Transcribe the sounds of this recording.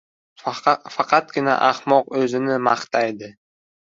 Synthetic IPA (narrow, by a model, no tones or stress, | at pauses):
fɑqʰɑt̪̚ɡʲɪna̰ʔaχmɒqɵzɪnɪmɑχt̪ʰajd̪ɪ